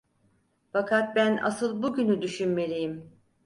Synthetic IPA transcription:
fakʰat̪̚bænʔa̰sɯlˠbuɟynyd̪yʃynme̞lʲijim

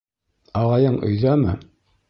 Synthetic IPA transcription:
ɑʁɑjɤɴɵ̰̆jðæmɘ

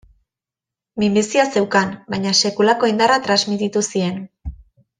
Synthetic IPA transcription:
mimbisiase̞wkanbajɲase̞kulako̞ind̪arat̪ɾazmit̪it̪usie̞n

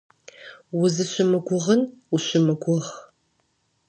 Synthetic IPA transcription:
wʊzɨɕʷɪmɨɡʷʊʁənʊɕʷɪmɨɡʷʊʁ

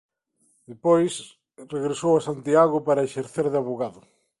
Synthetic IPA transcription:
d̪̥epojs | reɣɾesowasant̪iaɣʊpaɾɐeʃeɾθeɾðɪaβoɣaðʊ

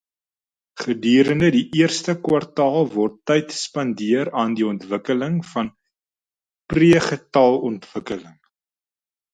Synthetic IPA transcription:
χədyːɾəndədiʔiərstəkwɐrtɑːlˠvɔrtːɛjtspɐndiəɾɑːndiɔntvəkələŋfɐn | priəχətɐlˠɔntv̥əkələŋ

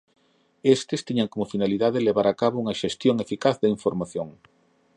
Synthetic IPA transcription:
est̪ɪst̪iɲaŋkomʊfinaliðaðɪleβaɾakaβouŋɐʃest̪joŋefikaθðɐiɱfoɾmaθjoŋ

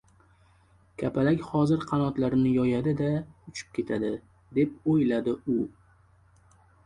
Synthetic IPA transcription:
kʲʰapʰalakʲhɒzɪɾqʰɑnɒt̪laɾnɪjɒjad̪ɪd̪aʊt͡ʃʰɪ̥p̚kʲʰe̞t̪ʰad̪ɪ | d̪e̞p̚ojlad̪ɪʊ

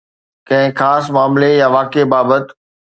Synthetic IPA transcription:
kɐ̃ɦɪ̃xaːsmaːmlejaʋaːkebaːbət̪

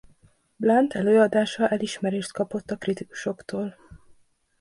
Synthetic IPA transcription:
blant̪ʰɛløːɒd̪aːʃɒʔɛliʃmɛɾeːʃt̪kɒpo̞t̪ːɒkrit̪iku̥ʃo̞kt̪oːl

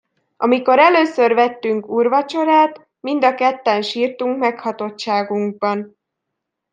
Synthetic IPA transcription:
ʔɒmiko̞ɾɛløːsørvɛt̪ːyŋkuːrvɒt͡ʃo̞ɾaːt̪ | mind̪ɒkɛt̪ːɛnʃiːrt̪uŋkmɛkhɒt̪o̞t̪ʃaːɡuŋɡ̚bɒn

